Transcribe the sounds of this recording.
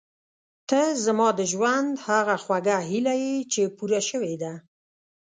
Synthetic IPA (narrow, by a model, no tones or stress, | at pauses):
t̪əzamɑd̪əʒwand̪haɣaxwaɡaɦilajet͡ʃepuɾaʃəwed̪a